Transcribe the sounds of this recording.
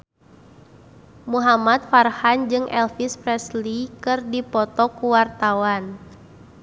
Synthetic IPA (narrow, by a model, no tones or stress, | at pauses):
muɦamat̪̚farhand͡ʒɨŋʔɛlfispɾɛslikɨrdipɔt̪ɔkuwart̪awan